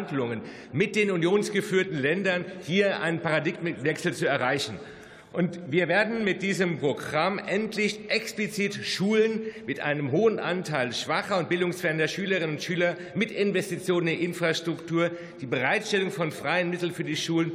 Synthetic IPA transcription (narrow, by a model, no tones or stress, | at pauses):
ndlʊŋən | mɪt̚d̥eːnunjoːnsɡ̥əfyːɐtn̩lɛndɐnhiːɐʔa̰ɪnənpaʁadɪɡmvɛksl̩t͡suɛɐʁaɪçn̩ | ʔʊntviːɐveːɐdn̩mɪt̚d̥iːzəmpʁ̥oɡʁamʔɛntʰlɪçʔɛksplit͡siːtʃuːlənmɪtʔa̰ɪnəmɦoːənʔa̰ntʰaɪlʃv̥aχɐʊnt̚b̥ɪldʊŋsfɛɐəndɐʃyːləʁ̞ɪnənʊntʃyːlɐ | mɪtɪnvɛstit͡sjoːnənɪʔɪnfʁ̥aʃtʁ̥ʊktʰuːɐ | d̥iːbəʁ̞aɪtʃtɛlʊŋfɔnfʁ̥aɪənmɪtl̩nfyːɐdiːʃuːlən